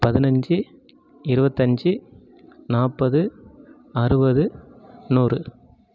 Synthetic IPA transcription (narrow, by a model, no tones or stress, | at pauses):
pɐðɪnɐɲd͡ʒɯ | ɪɾɯbɐt̪ːɐɲd͡ʒɯ | naːpɐðɯ | ɐɾɯbɐðɯnuːrɯ